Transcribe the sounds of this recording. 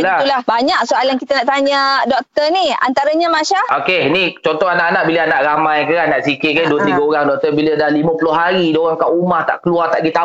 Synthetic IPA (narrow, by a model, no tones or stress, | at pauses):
ilaulahbaɲak̚soʔaljaŋkit̪anaʔt̪aɲədɔk̚t̪ərnia̰nt̪aɾaɲamaʃaokenit͡ʃɔnt̪ɔɦanaʔanaʔbilaanaʔɾamajkəɣanaʔsikɪt̪̚kaduəiɡaoɾaŋdɔk̚t̪ərbilədahlimə̃pulʊɦaɾidoɣaŋkaʔumaht̪a̰ʔkəluart̪aʔɡit̪a